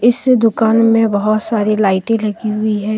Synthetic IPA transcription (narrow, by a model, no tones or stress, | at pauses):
ɪsd̪ʊkaːnmẽbɐɦʊt̪saːɾilaːɪʈẽlɐɡiɦʊiɦɛː